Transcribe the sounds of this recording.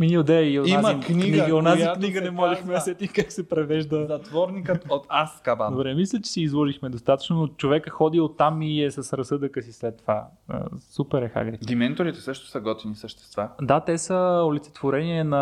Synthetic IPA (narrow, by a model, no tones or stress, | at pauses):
miniod̪ɛioiaməiknniɡniionazikniɡənɛmɔlɛxmɛɐsɛt̪ikaksɛpɾɛvɛʒd̪əzɐt̪vɔɾnikət̪ot̪askabad̪obɾɛmislʲət͡ʃɛ̥sɛizlˠɔʒixmɛd̪ost̪at̪ə̥t͡ʃnonot͡ʃovɛkəxɔd̪iot̪ːamiɛsəsɾɐsɤd̪əkəsislɛt̪ːova | ə̰supɛɾɛxa̰ɡɾid̪imɛnt̪oɾit̪ɛ̥sɤʃt̪o̥sɐɡɔt̪vinisəʃt̪ɛ̥st̪vad̪at̪ɛsəolit̪sɛ̥t̪voɾɛniɛnɐ